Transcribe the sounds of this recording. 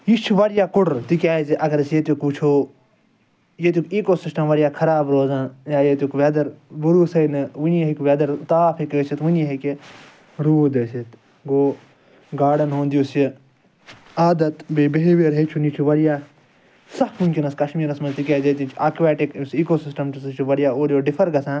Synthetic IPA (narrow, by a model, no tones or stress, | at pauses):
jit͡ʃʰuʋɐɾjaːkuʈt̪ikʲaːiziʔɐɡɐɾɐsjet̪jukut͡ʃʰoː | jet̪jukiːkosisʈɐmʋɐɾijaːkʰɐɾaːbɾoːzãːnjaːjet̪ʲjukʋeːd̪ɐɾbuɾuːsɐjnɨʋunjɐɦikʲʋeːd̪ɐɾt̪aːfʰikːsit̪ʋunjɐɦiki | ɾuːd̪ɐsit̪ | ɡoː | ɡaːɖɐnɦõːnd̪ijusi | aːd̪ɐt̪biːbeɦeʋeɾɦet͡ʃʰunit͡ʃʰuʋɐɾijaː | sɐhmunkinɐskɐʃmiːɾɐsmɐnzt̪ikʲezet̪̬it͡ʃʰaːkʋeːʈiksiːkoːsisʈɐmsɐt͡ʃʰuʋɐɾjaːoːɾjoːɖifʰɐɾɡɐsãːn